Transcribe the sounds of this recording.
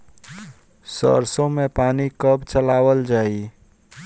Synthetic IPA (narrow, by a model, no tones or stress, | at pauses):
sə̰ɾsõmẽpaːnikəbt͡ʃəlaːwəld͡ʒaːi